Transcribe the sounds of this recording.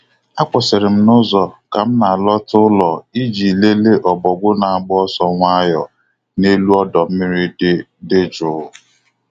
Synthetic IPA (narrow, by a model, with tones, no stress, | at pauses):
a˦kʷɔ˨se˨ɾɪ˨m̩˦nʊ˦zɔ˨ka˨m̩˦na˨lɔ˦tʊ˦lɔ˨i˦d͡ʒi˨le˦le˦ʔɔ˨bɔ˨ɡʷʊ˦na˨a˨ɡ͡bɔ˦sɔ˦ŋʷa˦jɔ˨ | ne˦lu˦ɔ˦dɔ˨m̩˦mɪ˦ɾi˦ | de˦d͡ʒʊ˨˦ʊ˨